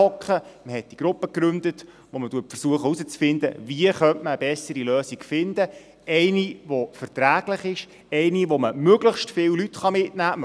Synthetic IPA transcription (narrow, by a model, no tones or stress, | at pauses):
ɔkχəməhɛt̚d̥iɡ̥ɾʊpːəkɾʉnd̪ət | ʋoməduətfərsuəχəusət͡sfɪnd̪ə̰viəχœntməːbɛsːəɾilœːsikfɪndə | ɛɪniʋofərtɾæːɡ̥lɪχɪʃ | ɛɪniʋoməmøɡləχʃtfɪlwlytχɑmɪtnæː